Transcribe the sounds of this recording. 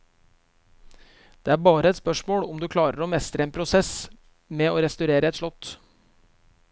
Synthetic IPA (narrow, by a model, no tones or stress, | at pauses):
d̪̥eːæːɾbɑːɾəɛt̪spœʂmoːɽɔmd̪ʉːkʰlɑːɾəɾoːmɛst̪ɾəeːnpʰɾʊsɛs | mɛːoːɾɛst̪ʉɾeːɾəɛt̪ʂɭɔt̪ː